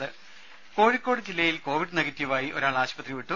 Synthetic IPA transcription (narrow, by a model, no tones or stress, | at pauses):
ɨ | ko̞ːɻikʲːo̞ːɽɨd͡ʑilːɐjilko̞ːʋiɽnɐɡɐtːjuʋaːjiʔo̞̰ɾaːɭaːɕpɐt̪riʋiʈːu